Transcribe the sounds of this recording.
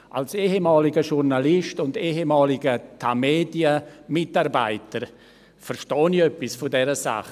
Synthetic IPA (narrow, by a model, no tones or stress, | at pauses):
ʔalseːɦemɑːlɪɡəʃuɾnalɪʃtʊndeːɦemɑːlɪɡətʰameːdiəmɪtarba̰ɪtəɾ | fərʃtɔːniœpːɪsfʊdɛɾəsa̰χ